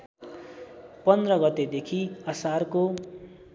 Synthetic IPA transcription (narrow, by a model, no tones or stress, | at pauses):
pʌnd̪rʌɡʌt̪ed̪ekʰiʌsarko